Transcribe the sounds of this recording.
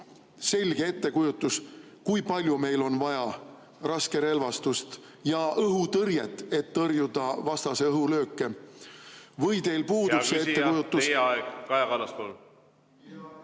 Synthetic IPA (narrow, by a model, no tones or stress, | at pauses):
se̞lʲɡ̥ee̞t̪ːe̞kujut̪ˑːus | kujpɑlʲjume̞jlo̞nvɑjɑ | rɑske̞ɾe̞lvɑst̪ust̪ | jɑʔɤɦut̪ɤrjet̪ːˑe̞t̪ːɤrjud̪̥ɑvɑst̪ɑse̞ɤɦulø̞ːkːe̞ | vɤjt̪e̞jlpuːd̪useet̪ːekujut̪ːusɑeɡkɑjɑkɑlːɑspol